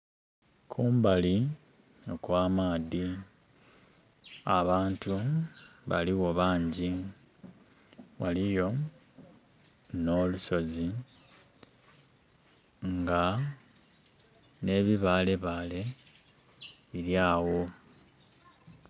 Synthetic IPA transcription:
kʰuːmbali | okwaːmaːði | aβaːntuβa̰liwo̞βaːɲɟi | walijo̞ | no̞ːluso̞zi | ŋɡa | ne̞ːβiβaːle̞βaːle̞ | βiɾjaːwo̞

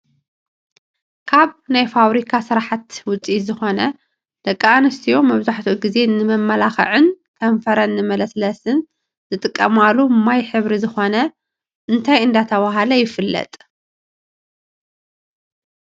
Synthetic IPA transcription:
kʰaβnajfaβɾikʰasɨɾaħat̪wʊt͡sʼizɨxo̞nɐ | d̪̥ɐkʼːaanɨst̪ʰijomɐβzaħt̪ʰuɡize̞nɨmɐmːɐlaxɐ̰ʕɨn | kʰɐɱfɐɾɐnːɨmɐlɐslɐsɨn | zɨt̪ʼɨkʼːɐmalːumajħɨβɾizɨxo̞nɐ | ʔɨnt̪ʰajɨnd̪at̪ʰɐβaɦalɐjɪfɨlːɐ̰t̪ʼ

